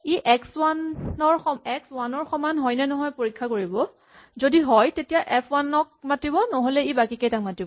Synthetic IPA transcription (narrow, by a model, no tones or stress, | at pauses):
iʔɛkswanɔɹxɔmɛkswanɔɹxɔmanɦɔjnɛnɔɦɔjpoɹikʰːakoɹibɔ | zodiɦɔjtetijaʔɛpʰwanɔk̚matibɔnɔɦolɛibakikejtak̚matibɔ